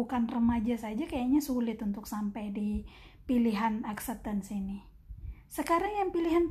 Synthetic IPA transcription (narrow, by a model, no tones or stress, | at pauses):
ukanrəmad͡ʒasad͡ʒakajaɲasulɪt̪unt̪ʊksampajdi | piliɦanaksɛp̚t̪ənsini | səkaɾaŋjaŋpiliɦan